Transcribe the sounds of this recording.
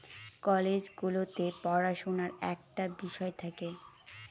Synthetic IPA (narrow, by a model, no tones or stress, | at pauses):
kɔled͡ʑɡulot̪epɔɾaʃonaɾɛ̰k̚ʈabiʃɔet̪ʰake